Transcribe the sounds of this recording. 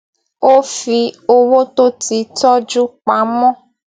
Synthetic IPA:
o˦fi˧o˧wo˦to˦ti˨tɔ˦d͡ʒu˦k͡pa˨˦mɔ̃˦

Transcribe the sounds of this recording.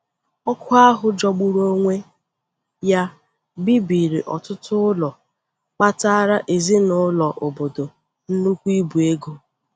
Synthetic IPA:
ɔ˦kʰʷʊ˦a˦ɦʊ˨d͡ʒɔ˨ɡ͡bu˨ɾo˦ŋʷe˦ | ja˦ | bi˦bi˨ɾḭ˨ʔɔ̰˨tʊ˦tʊ˦ʊ˦lɔ˨ | k͡pa˦ta˦ɾa˦ʔe˨zi˦nʊ˦lɔ˨ʔo˨bo˨do˨ | n̩˦nu˦kʷi˦bu˨e˦ɡo˦

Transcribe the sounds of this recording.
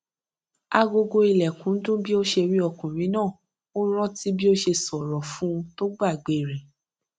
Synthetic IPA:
a˧ɡo˧ɡo˧i˧lɛ˨kũ˨˦dũ˦bi˦o˦ʃe˧ɾi˦ɔ˧kũ˨ɾ̃ĩ˨˦nãː˦˨ | o˦ɾ̃ã˦ti˦bi˦o˦ʃe˧sɔ˨ɾɔ˨fũ˦˧to˦ɡ͡ba˦˨ɡ͡be˨ɾe˨

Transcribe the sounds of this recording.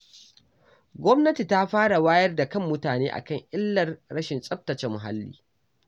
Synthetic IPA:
ɡʷɔ˦mnɐ˦ti˨ta˦ɸaː˦ɽa˨waː˦jɐ˦rda˨kɐ˦˨mːʊ˦taː˨neː˦ʔa̰˨kɐ˦˨ŋʔɪ˦lːɐ˨rɽɐ˦ʃɪ˨nsʼɐ˦ɸ̚tɐ˨t͡ʃɛ˨mʊ˨ɦa̰˦lːḭː˦

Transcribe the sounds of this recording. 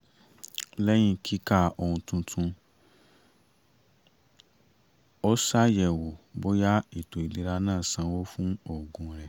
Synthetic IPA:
lɛ˦j̃ĩ˧kʰi˦ka˦˨o˧hũ˧tũ˧tʰũ˧ | o˦sa˦jɛ˨wo˨bo˦ja˦i˨to˨i˨di˨ɾa˧nãː˦˨sã˧wo˦fũ˦o˦˨ɡũ˨˧ɾɛ˨

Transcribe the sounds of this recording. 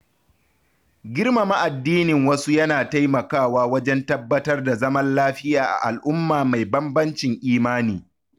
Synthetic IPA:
ɡʲɪ˦rma˨ma˦ʔa˨dːiː˦nɪ˨ŋwɐ˦su˦jɐ˦naː˨ta˦jmɐ˨kaː˦˨waː˦wɐ˦d͡ʒɛ˦ntɐ˦bːɐ˦tɐ˦rda˨zɐ˦mɐ˦nlaː˦ɸɪ˦jaː˨ʔa̰˨ʔa˨lʔʊ˦mːaː˨ma˨jbɐ˦mbɐ˦nt͡ʃɪ˨ŋʔiː˦maː˦niː˨

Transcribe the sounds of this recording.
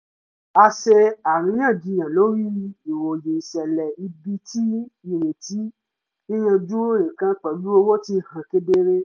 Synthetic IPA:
a˧ʃe˧a˨ɾ̃ĩ˨˦jã˦˨d͡ʒĩ˧j̃ã˨lo˦ɾi˦˧˦i˨wo˨je˨i˨ʃɛ˨lɛ˨i˧bi˧˦ti˦ĩ˨ɾe˨ti˨˦ | nĩ˦j̃ã˧d͡ʒu˦o˦ɾĩ˨kã˦k͡pɛ˨lu˦o˧wo˦ti˧hã˨ke˧de˧ɾe˦

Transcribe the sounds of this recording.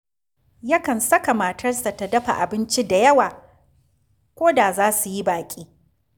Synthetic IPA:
jɐ˦kɐ˨nsɐ˦ka˨maː˨tʰɐ˦rsa˨ta˨dɐ˦ɸa̰˨ʔa˨bɪ˦nt͡ʃi˦da˨jɐ˦waː˨ | kʷoː˦da˨zaː˦su˨ji˦baː˨kʲʼiː˦

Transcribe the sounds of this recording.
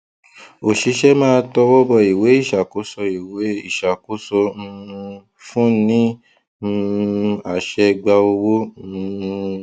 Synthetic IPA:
o˨ʃi˧˦ʃɛ˦mãː˦tɔ˧wɔ˦bɔ˧˨i˨we˨˦i˦˨ʃa˨ko˨˦sɔ˧i˨we˨˦i˦˨ʃa˨ko˨˦sɔ̃˧ | fũ˦nĩ˦˧ | a˨ʃɛ˧ɡ͡ba˧o˧wõ˦˧

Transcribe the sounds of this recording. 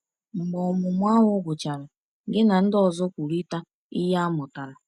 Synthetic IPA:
ŋ͡m̩˨ɡ͡bɔ˨ɔ˨mʊ˨mʷ˦a˦ɦʊ˦ɡʊ˨t͡ʃa˨ɾa˨ | ɡɪ˦na˨n̩˦dɔ˨zɔ˦kʷu˨ɾi˦ta˦ | i˦ja˦mʊ˨ta˨ɾa˨

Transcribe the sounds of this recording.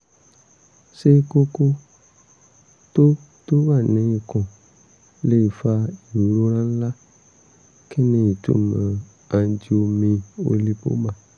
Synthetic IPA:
se˦ko˦ko˦ | t̪o˦ | to˦va˦˨nẽ˨˦ji˨kɔ̃˨ | le˦i˨fa˧i˨ɾo˦lã˦n̩˦la˦ | ke˦nẽ˨i˨tṵ˦nã˨ | ã˨d͡ʒi˨o˧mẽ˧wo̰˨˦li˦po̰˦mã˨

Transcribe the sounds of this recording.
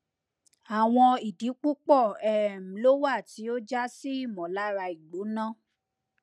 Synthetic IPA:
a˨w̃ɔ̃˧i˨di˨˦k͡pu˦k͡pɔ˦˨ɛ˦˨m̩̃˨˦lo˦wa˦˨ti˨˦o˦d͡ʒa˦si˦i˦˨mɔ̃˨la˦ɾa˧i˨ɡ͡bo˨˦nã˦˨

